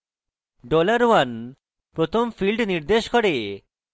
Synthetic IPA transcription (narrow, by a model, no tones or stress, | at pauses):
ɖolaɾwan | pɾot̪ʰomfilɖniɾd̪eʃkɔɽe